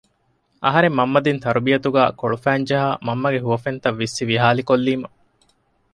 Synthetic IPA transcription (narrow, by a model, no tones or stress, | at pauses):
ʔɐ̰ɦɐɾemːɐmːɐd̪int̪ɐɾubijɐt̪uɡæːkoɭufæːnd͡ʒɐɦaːmɐmːɐɡeɦuʋɐfent̪ɐʋːisːiʋiɦaːlikolːiːmɐ